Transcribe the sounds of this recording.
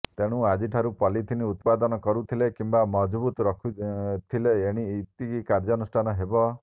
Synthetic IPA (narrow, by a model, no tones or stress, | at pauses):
t̪eɽ̃uad͡ʒiʈʰaɾupɔlit̪ʰiniut̪pad̪ɔnɔkɔɾut̪ʰilekimbamɔd͡ʒbut̪ɔɾɔkʰut̪ʰileeɽ̃it̪ikikaɾd͡ʒɔnusʈʰanɔɦebɔ